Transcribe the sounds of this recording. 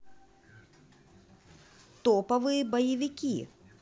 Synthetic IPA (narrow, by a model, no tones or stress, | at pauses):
t̪ɔpɐvɨjɐbɐjɐvʲikʲi